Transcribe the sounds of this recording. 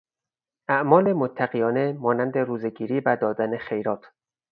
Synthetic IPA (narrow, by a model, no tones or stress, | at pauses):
ʔæʔmɒːlemot̪ʰːæɢijɒːne̞mɒːnænd̪e̞ɾuːzeɡiːɾiːvæd̪ɒːd̪æne̞χe̞jɾɒːt̪ʰ